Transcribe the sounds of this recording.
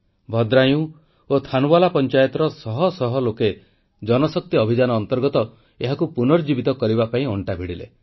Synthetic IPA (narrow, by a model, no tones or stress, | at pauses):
bʱɔd̪ɾaj̃ũ | ot̪ʰanuwalapɔnt͡ʃajɔt̪ɔɾɔsɔɦɔsɔɦɔloke | d͡ʒɔnɔsɔk̚t̪iɔbʱid͡ʒanɔːnt̪ɔɾɡɔt̪ɔ | eɦakupunɔɾd͡ʒibit̪ɔkɔɾibapaĩɔɳʈabʱiɽilḛ